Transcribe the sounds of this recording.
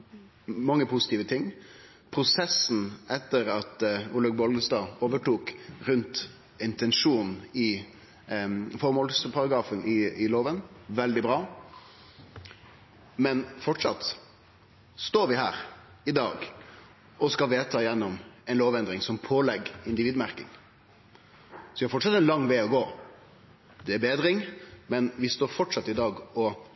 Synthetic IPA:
mɑŋːəpʰʊsɪt̪iːʋət̪ʰɪŋː | pʰɾʊsɛsn̩ʔɛt̪ːəɾɑt̪ʊləɡ̚bɔlɡ̪əst̪ɑːoːʋəʈuːkɾʉnt̪ | ɪnt̪ɛnʂuːnn̩ɪ | fɔɾmɔːlspʰɑɾɑɡɾɑːfənɪɪloːʋənʋɛld̪ɪbɾɑː | mɛnfɔʈʂɑ̰t̪ | st̪oːɾʋɪɦæ̰ːɾ | ɪd̪ɑːɡ | ʔɔskɑʋeːt̪ʰɑːjɛnːɔmɛɪnloːʋɛnd̪ɾɪŋsɔmpʰoːlɛɡɪnd̪ɪʋiːd̪mæɾkɪ̰ŋ | sɔʋɪhɑɾfɔʈʂɑt̪ːɛnlɑŋːʋæɪɔɡoː | d̪ɛæbeːd̪ɾɪŋmɛnʋɪst̪oːɾfɔʈʂɑt̪ːɪd̪ɑːɡɔ

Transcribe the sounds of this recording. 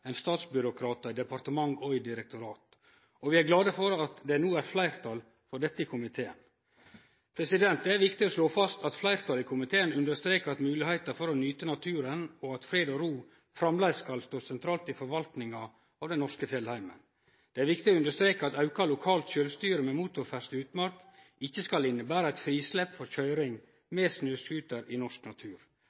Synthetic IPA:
ɛɪnst̪ɑːt̪sbʏɾʊkʰɾɑːt̪ɑɪd̪ɛpɑɾt̪əmɑŋɔʏd̪ɪɾɛk̚t̪ʊɾɑːt̪ | ɔʋɪæɾɡlɑːd̪əfɔɾɑt̪d̪ɛnuːæɾflæɪɾt̪ʰɑl | fɔɖɛt̪ːəɪkʰʊmɪt̪ʰeːə̰n | pʰɾɛsɪd̪ɛnt̪̚d̪ɛæɾʋɪkt̪ɪosloːfɑst̪ʰɑt̪flæɪɾt̪ʰɑlɪkʰʊmɪt̪ʰeːənʉnd̪əst̪ɾeːkəɑt̪mʉːlɪhæɪt̪əɾfɔɾɔnyːt̪ənɑt̪ʰʉːɾənɔɑt̪fɾeːd̪ɔɾuː | fɾɑmlæɪskɑlst̪oːsɛnt̪ʰɾɑːlt̪ɪfɔɾʋɑlt̪nɪŋɑ | ɑːʋd̪ɛnnɔʂkəfjɛlhæɪmə̰n | d̪̥ɛæɾʋɪkt̪ɪoʉnd̪əʂt̪ɾeːkəɑt̪ɑʉkɑlʊkʰɑːlt̪ʃøːlst̪yːɾəmɛmuːt̪ʊɾfæʂt̪ʉːt̪mɑɾk | ɪçːəskɑlɪnːəbæːɾəæɪt̪fɾiːslɛpfɔɾçœʏɾɪŋ | meːsnøːskʉːt̪əɾɪnɔʂknɑt̪ʰʉːɾ

